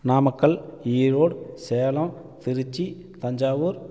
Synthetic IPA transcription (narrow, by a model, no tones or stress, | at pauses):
naːmɐkːɐɭiːɾoːɽseːlɐ̃ː | t̪ɪɾɯt͡ʃːi | t̪ɐɲd͡ʒaːʋuːɾ